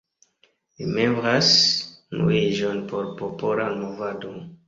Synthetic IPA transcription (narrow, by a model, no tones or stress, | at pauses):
limembɾasnṵiʒonpo̞ɾpopolanmovado